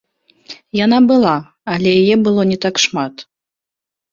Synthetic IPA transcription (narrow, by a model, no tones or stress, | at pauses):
janabɨlˠa | alʲɛjajɛbɨlˠɔnʲɛt̪akʂmat̪